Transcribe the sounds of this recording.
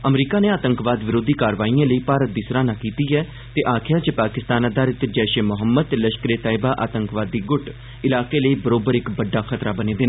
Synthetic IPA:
əmɾiːkaːnẽːaːt̪əŋkʋaːd̪ʋɪɾoːd̪iːkaːɾʋaːiːãːləiːpaːɾət̪̚d̪iːsɾaːnaːkiːt̪iːɛː | t̪eːʔaːkʰɪjaːt͡ʃepaːkɪst̪aːnəd̪aːɾɪt̪d͡ʒɛːʃeːmʊɦəmːəd̪̚t̪eləʃkəɾeːt̪aːɪbaːʔa̰ːt̪əŋkʋaːd̪ːiːɡʊʈ | ɪlaːkeːləiːbəɾoːbəɾɪkbəɖːaːkʰət̪ɾaːbəneːd̪ɪna

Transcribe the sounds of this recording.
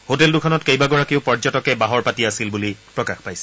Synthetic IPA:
hoteldukʰɔnɔtkejbaɡɔɹakiʊpɔɹd͡ʒɔtɔkɛbaɦɔɹpatiasilbulipɹɔkaxpajsɛ̥

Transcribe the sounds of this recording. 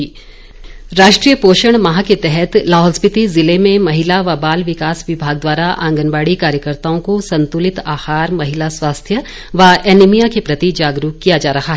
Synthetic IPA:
ɾaːʃʈɾijəpoːʃəɽ̃mɐɦaket̪ɛɦɛt̪laːɦɔspɪt̪izɪlemẽmɐɦɪlaʋabaːlʋɪkaːsʋɪbʱaːɡ̚d̪waːɾaʔã̰ːŋɡənʋaːɽikaːɾjəkəɾt̪aːõkosɐ̃nt̪ʊlɪt̪aːxaːɾmɐɦɪlaswaːst̪ʰjə | ʋaɛːnimijakepɾɐt̪id͡ʒaːɡɾuːkːijad͡ʒaːɾɐɦaɦɛː

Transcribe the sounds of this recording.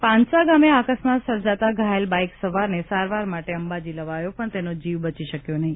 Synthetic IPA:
pãnsaɡameakəsmat̪səɾd͡ʒat̪aɡʱaelbajksəʋaɾnesaɾʋaɾmaʈeəmbad͡ʒiləʋajopəɳt̪enod͡ʒiʋbət͡ʃiʃəkjonəɦĩ

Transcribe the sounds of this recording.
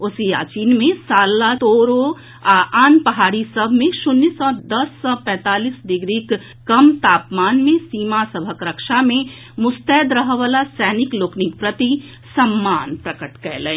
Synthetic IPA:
ʊsija̰ːt͡ʃiːnmẽsaːlːat̪oːɾo | aʔaːnpəɦaːɾisəbʱmẽʃʊnːisɔ̃d̪ɐsːɔ̃ːpɛ̃ːt̪aːliːsd̪ɪɡɾiːkː | ɐmt̪aːpmaːnmẽsiːmasəbʱəkɾəkʃamẽ | mʊst̪ɛːd̪ɾəɦʋaːlasɛːnɪkloːknikpɾət̪i | sɐmːaːnpɾəkəʈkɛːlẽ

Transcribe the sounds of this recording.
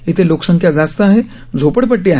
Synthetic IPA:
ɪt̪ʰeloːksə̃ŋkʰjad͡zaːst̪aɦɛ | d͡zʱoːpəɽp̬əʈːiaː

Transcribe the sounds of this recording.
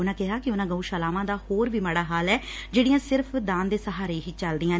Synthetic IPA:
ʊnãːkɪɦaːkɪʊnãːɡəuːʃəlaːmãːd̪aːhoːɾʋiːməɽaːɦaːlɛːd͡ʒeːɽɪjãːsɪɾpʰd̪ãːnd̪eːsəɦaːɾeːɦiːt͡ʃəld̪ɪjãː

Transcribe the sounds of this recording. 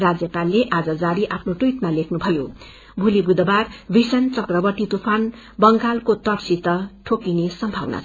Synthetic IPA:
rad͡zjʌpalːeʔad͡zʌd͡zaɾiʔapʰnoʈuiʈmalekʰnubʱʌjo | bʱulibud̪ʌbarbisʌnt͡sʌkrʌbʌʈit̪upʰan | bʌŋɡalkot̪ʌʈsit̪ʌʈʰokinesʌmbʱawna̰

